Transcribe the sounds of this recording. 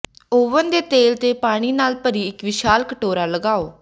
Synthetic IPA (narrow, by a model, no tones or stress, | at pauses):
oːʋənd̪eːt̪eːlt̪eːpaːɽ̃iːnaːlpəɾiːɪkʋɪʃaːlkəʈoːɾaːləɡaːoː